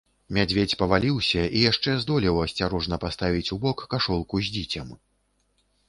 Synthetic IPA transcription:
mʲad͡zʲvʲet͡sʲpɐvalʲiwsʲɐijaʂt͡ʂɛzd̪ɔlʲiwɐsʲt͡sʲaɾɔʐnɐpast̪avʲit͡sʲubɔkːaʂɔlˠkuzʲd͡zʲit͡sʲɐm

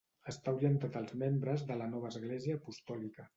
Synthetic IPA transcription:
əst̪auɾient̪ət̪əlˠzmembɾəzðələnɔβ̞əːzɣleziəːpust̪ɔlikə

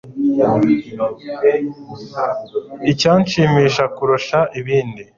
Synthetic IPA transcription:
icaːnʃiːmiːʃakuɾoʃaʔiβiːndi

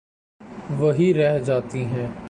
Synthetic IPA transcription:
ʋɐɦiɾɛɦd͡ʒaːt̪iɦɛ̃ː

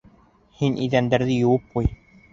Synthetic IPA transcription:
hinʔiðænd̪æɾðɘjŭwɤp̚quj

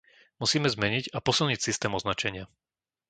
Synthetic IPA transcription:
musiːmɛzmɛɲiɟapɔsilˠɲicsist̪ɛːmɔznat͡ʃɛɲɪa

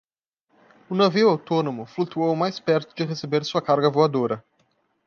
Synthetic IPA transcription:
ʊnaviwawt̪õnomʊflut̪uowmajspɛɾt̪ʊd͡ʒɪʁesebeɾsuɐkaɾɡɐvoad̪oɾɐ

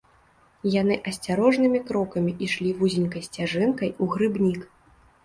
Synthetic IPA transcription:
jan̪ɨʔɐsʲt͡sʲaɾɔʐnɨmʲikɾɔkɐmʲiʔiʂlʲivuzʲinʲkɐjsʲt͡sʲaʐɨnkɐjuɣɾɨbnʲik

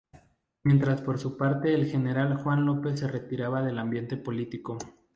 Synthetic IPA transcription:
mje̞nt̪ɾaspo̞ɾsupaɾt̪e̞ːlxe̞ne̞ɾalxwanlo̞pe̞s̬ːe̞re̞t̪iɾaβaðe̞lambje̞nt̪e̞po̞lit̪iko̞

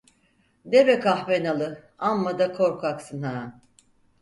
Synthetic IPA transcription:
d̪ebɛkʰahvenalˠɯ | amːad̪akʰo̞ɾkʰaksɯnɦaː

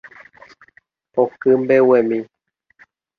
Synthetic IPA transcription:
okɨmbewemĩ

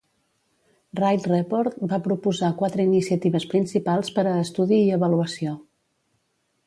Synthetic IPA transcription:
rajt̪rɛpoɾt̪̚bapɾupuzakwat̪ɾəinisiət̪iβəspɾinsipalˠspəɾəːst̪uðiːəβəluəsio

